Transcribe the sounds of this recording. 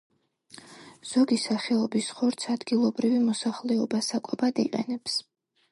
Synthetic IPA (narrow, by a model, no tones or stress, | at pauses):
z̥ɔɡisaχɛɔbisχɔɾt̪sʰad̪ɡilˠɔbɾivimɔsaχlɛɔbasakʼɔbad̪ḭqʼɛ̰nɛps